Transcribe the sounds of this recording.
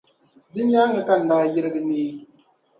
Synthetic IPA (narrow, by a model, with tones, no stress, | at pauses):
dɪ˦ɲ˦a˦ŋɨ˨ka˦n̩˨daː˦jɪ˦ɾɨ˦ɡɨ˦niː˦